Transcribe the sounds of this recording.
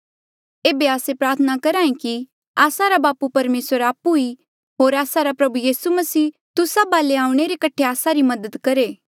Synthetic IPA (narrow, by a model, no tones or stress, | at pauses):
eːbeaːsepɾaːɾt̪ʰənakɐɾaːĩki | aːsaɾabaːpupɐɾmeːsəɾaːpui | ɦoːɾaːsaɾapɾɐbujiːsumɐsiː | t̪ʊsabaːleaːũɽ̃eɾekɐʈʰeaːsaɾimɐd̪əd̪kɐɾeː